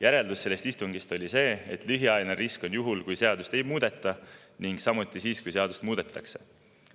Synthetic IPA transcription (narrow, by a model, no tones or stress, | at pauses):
jæɾe̞ld̪usselːest̪ist̪uŋɡ̥ist̪o̞lʲise̞ːḛt̪ːˑlyɦiɑjneɾisko̞njuɦulkujse̞ɑd̪̥ust̪e̞jmuːd̪̥e̞t̪ːˑɑ | niŋɡ̥sɑmut̪ːˑisiːskujse̞ɑd̪̥ust̪muːd̪̥e̞t̪ˑːɑkse̞